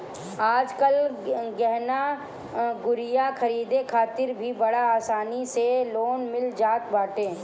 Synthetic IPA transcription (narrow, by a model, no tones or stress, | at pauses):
aːd͡ʒkəlɡɛɦna | ɡʊɾɪjakʰɐɾiːd̪ekʰaːt̪ɪɾbʱibɐɽaaːsaːniseloːnmɪld͡ʒaːt̪baːʈẽː